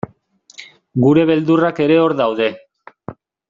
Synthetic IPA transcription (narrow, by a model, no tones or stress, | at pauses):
ɡuɾe̞βe̞ld̪urake̞ɾe̞o̞ɾðawðe̞